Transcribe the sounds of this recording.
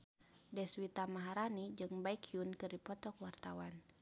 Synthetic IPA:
dɛswit̪amaɦaɾanid͡ʒɨŋbaikʰiunkɨrdipɔt̪ɔkwart̪awan

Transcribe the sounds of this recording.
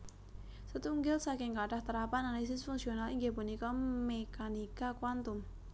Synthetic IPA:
sət̪uŋɡɪlsakɪŋkaɖ̥aht̪əɾapanalis̬ɪsfuŋksionaliŋɡepunikɔmekanikakwant̪ʊm

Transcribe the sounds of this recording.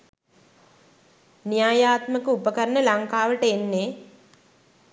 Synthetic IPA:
nijaːjaːt̪məkəupəkəɾənəlaŋkaːʋəʈəenːe

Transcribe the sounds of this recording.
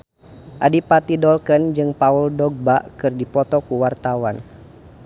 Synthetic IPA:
ʔadipat̪idɔlkənd͡ʒɨŋpauldɔɡ̚baʔkɨrdipɔt̪ɔkuwart̪awan

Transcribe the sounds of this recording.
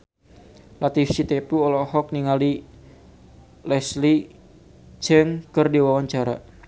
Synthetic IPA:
lat̪ifsit̪epuɔlɔhɔk̚niŋali | lɛsli | t͡ʃɛŋkərdiwawaɲt͡ʃaɾa

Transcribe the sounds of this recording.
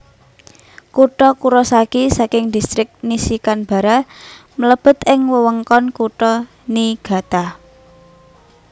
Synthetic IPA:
kuʈɔkuɾɔsakisakɪŋd̪̥i̤st̪ɾɪk̚nisikanb̥ä̤ɾa | mələb̥ə̤t̪ɪŋwəwəŋkɔnkuʈɔ | niɡ̥a̤t̪a

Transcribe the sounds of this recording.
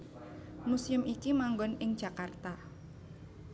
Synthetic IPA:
musɪmikimaŋɡɔnɪŋd͡ʒ̥a̤kart̪a

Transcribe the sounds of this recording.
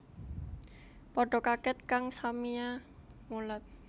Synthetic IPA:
pɔɖ̥ɔ̤kakɛt̪̚kaŋsamiamulət̪̚

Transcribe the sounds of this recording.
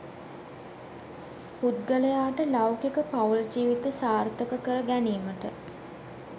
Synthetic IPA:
pud̪̚ɡələjaːʈəlawkekəpauld͡ʒiːʋit̪əsaːrt̪əkəkəɾəɡæniːməʈə̰

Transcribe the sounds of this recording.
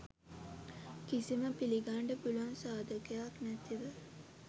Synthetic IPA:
kisiməpiliɡaɳɖəbuluansaːd̪əkəjaknæt̪iʋə

